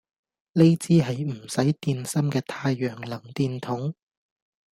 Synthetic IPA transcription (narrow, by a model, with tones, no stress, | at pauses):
le˥jt͡siː˥ɦɐ˨jm̩˨˩sɐ˨˥jt̪iː˧nsɐ˥mkɛː˧t̪ʰaː˧jːœː˨˩ŋlɐ˨˩ŋt̪iː˧nt̪ʰʊ˨˥ŋ